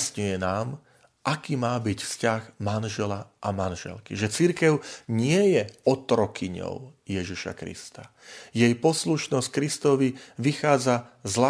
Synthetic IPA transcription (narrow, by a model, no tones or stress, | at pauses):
sɲujɛnaːm | ʔakiːmaːbicfscaɣmanʒɛlaʔamanʒɛ̰lkiʒɛt͡siɾkɛʊɲɪɛjɛɔt̪ɾɔkiɲɔ̰ʊjɛʒiʃa̰kɾḭst̪a | jɛjpɔsluʃnɔsc̚kɾist̪ɔʋiʋixaːd͡zazla